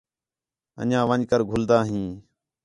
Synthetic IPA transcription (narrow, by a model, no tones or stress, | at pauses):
ə̰ɲãːʋəɲkəɾɡʱʊld̪aːɦĩː